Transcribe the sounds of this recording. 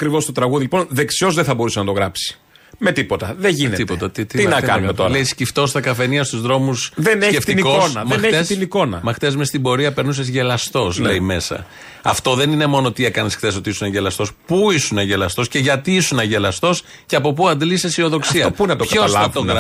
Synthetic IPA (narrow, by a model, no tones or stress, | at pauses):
ɐkɾivost̪ot̪ɾɐɣuðiliponðe̞ksio̞zðeθɐbo̞ɾusenɐt̪oɣɾɐpsi̥ | me̞t̪ipo̞t̪ɐðeʝinet̪ip̪ot̪ɐt̪it̪it̪inɐkɐ̰nummet̪oɾlejiscift̪o̞st̪ɐkɐfe̞niɐst̪uzðɾo̞musðeneceft̪iikosnɐmexeest̪iniko̞nɐmɐxt̪e̞zmest̪ibo̞ɾiɐpe̞ɾnusezʝe̞lɐst̪o̞slejime̞sɐ̰ | ɐft̪o̞ðenine̞mo̞not̪ie̞kɐnesxθe̞so̞t̪iisunɐʝelɐst̪o̞spuisunɐʝelɐst̪osce̞ʝɐt̪iisunɐʝe̞lɐst̪o̞s | ceɐpo̞puɐnd̪lisesio̞ðo̞ksiɐopunɐt̪okɐolɐɐt̪o